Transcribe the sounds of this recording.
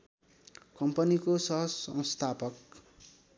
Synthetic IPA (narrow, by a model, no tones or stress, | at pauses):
kʌmpʌnikosʌɦʌsʌ̰̃wst̪ʰapʌk